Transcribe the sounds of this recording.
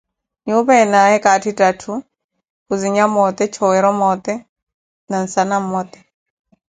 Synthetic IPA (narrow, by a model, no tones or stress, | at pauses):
ɲuβaɛnaɛkatʰitʼatʰu | kuziɲamɔt̪ɛt͡ʃʰɔwɛɾɔmɔt̪ʼɛ | nan̩sanam̩mɔt̪ʼɛ̥